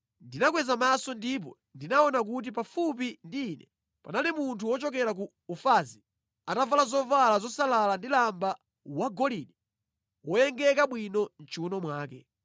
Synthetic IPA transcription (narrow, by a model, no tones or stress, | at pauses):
ndinak̬wɛzamasɔndip̬ɔ̰ | ndinaɔnak̬ut̬ipafupindiːnɛ | panalimuntʰuwɔt͡ʃɔkɛɾak̬uːfazi | atavalazɔvalazɔsalalandilamba | waɡɔliɗɛ | wɔjɛŋɡɛkaɓwinɔn̩t͡ʃuunɔmwaːkɛ